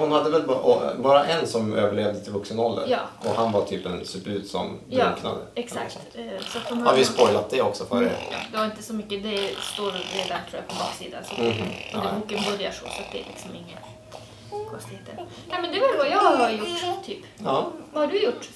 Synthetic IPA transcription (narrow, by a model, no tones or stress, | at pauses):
hʊnhad̪ːəʋɛlbʔɔbɑːɾaʔɛnsɔmøːvəɭeːvd̪ət̪ʰɪlvɵksənɔld̪ə̰ɾjɑːɔɦanʋaʈʰyːpɛnsʉbʉːd̪sɔ̰mɑːkna̰d̪ə̰ɛksakt̪sɔat̪hʊnhhaɾʋɪspɔjlat̪̚d̪ɛɔksɔføɾəɛ̰d̪ɛʋaɾɪnt̪əsɔmʏkːəd̪ɛst̪oːɾd̪ɛd̪æɾʈ̪ʰɾuːjapʰɔbɑ̰ːksḭːd̪a̰nsɔɔdɛukːənbʊɾæʂɔ̰sɔɑt̪̚d̪ɛ̰æ̰lʔɪ̰ksɔmɪŋːə̰ | kʰɔnst̪ɪheːt̪ːə̰ | næɪmɛnd̪ɛʋɑɖjɑɑɾɑjʊʈːt̪ʰyːp | ɑːʋɑhɑɖʉjʊʈː